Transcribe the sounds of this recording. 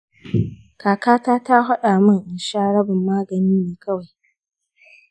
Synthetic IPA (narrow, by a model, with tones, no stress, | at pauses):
kaː˨kaː˦taː˦ta˦ɦɐ˦ɗa˨mɐ˦ŋʔɪ˨ʃaː˦ɽɐ˦bɪ˨mːaː˦ɡɐ˨niː˦neː˨kʰɐ˦wa˨j